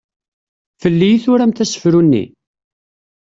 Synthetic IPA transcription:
fəlːijiθʊɾæmt̪æsə̥fɾunːḭ

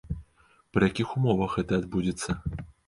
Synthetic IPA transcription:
pɾɨjakʲixumɔvɐxɣɛt̪ɐːd̪bud͡zʲit̪sːɐ

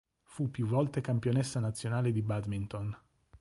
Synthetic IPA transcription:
fupːjuvːɔlt̪ekampjonɛsːanat̪sːjonaːled̪ibad̪mint̪on

